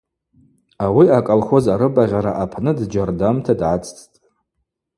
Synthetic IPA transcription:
awiakʼalχʷo̞zaɾɨbaʁʲaɾaʔapʰnɨdd͡ʒardamtʰadʕat͡sʼt͡sʰʼtʼ

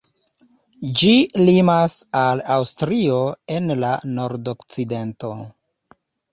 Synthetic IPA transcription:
d͡ʒilimasalawstɾio̞e̞nlano̞ɾdokt͡side̞nto̞

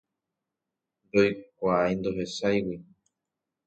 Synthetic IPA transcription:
nd̪o̞jkʷaajnd̪o̞ɦe̞sajwi

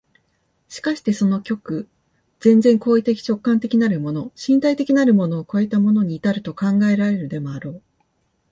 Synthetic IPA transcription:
ɕi̥kaɕi̥t̪e̞so̞no̞kʲo̞kɯ̟ | z̥ẽ̞nzẽ̞ŋkoːit̪e̞kʲi̥t͡ɕo̞kːãnt̪e̞kʲinaɾɯ̟mo̞no̞ɕĩnt̪ait̪e̞kʲinaɾɯ̟mo̞no̞ːko̞e̞t̪amo̞no̞ɲ̟iːt̪aɾɯ̟t̪o̞kãŋɡae̞ɾaɾe̞ɾɯ̟d̪e̞mo̞aɾo̞ː

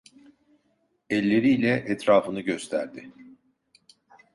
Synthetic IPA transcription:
ɛlʲːe̞ɾiːlʲɛʔɛt̪ɾaːfɯnɯɟø̞st̪ʰæ̰ɾd̪ɪ

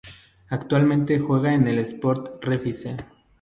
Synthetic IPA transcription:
akt̪walmẽnt̪e̞xwe̞ɣaene̞lespo̞ɾt̪refise

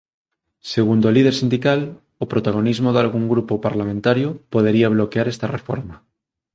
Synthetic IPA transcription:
seɣ̞und̪olið̞eɾsind̪ikal | opɾot̪aɣ̞onizmoðalɣuŋɡɾupopaɾlamẽnt̪aɾjopoð̞eɾiaβ̞lokeaɾest̪arefo̰ɾma

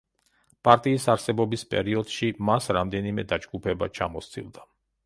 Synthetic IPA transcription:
pʼaɾt̪ʼiːsaɾsɛbɔbispʼɛ̰ɾiɔd̪̥ʃimasɾamd̪ɛnimɛd̪ad͡ʒɡupʰɛba̰t͡ʃʰamɔst̪ʰʼḭlˠd̪a

